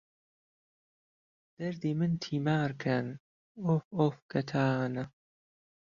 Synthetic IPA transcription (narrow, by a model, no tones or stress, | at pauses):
d̪̥ɐɾd̪iːmɨnt̪ʰiːmaːɾkʰɐn | ofofkɐt̪ʰaːnɐ